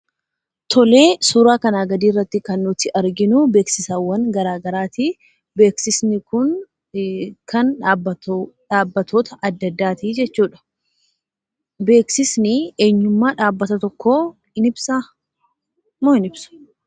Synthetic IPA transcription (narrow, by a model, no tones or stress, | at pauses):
t̪ʰɔle̞ːsuːɾaːkɐnaːɡɐd̪iːrːɐt̪ːɪkɐnːʊt̪ɪʔɐɾɡɪnʊbe̞ːksɪsaːwːɐnɡɐɾaːɡɐɾaːt̪i | be̞ːksɪsnɪkʊn | kʰɐnːbᶑaːbːɐt̪ʰoːt̪ɐʔɐd̪ːɐd̪ːaːt̪id͡ʒɛt͡ʃːuːᶑɐ̥ | beːksɪsnɪeːɲːʊmːaːᶑaːbːɐt̪ɐt̪ɔkːoː | ɪnɪbsa | moɪnɪb̥sʊ̥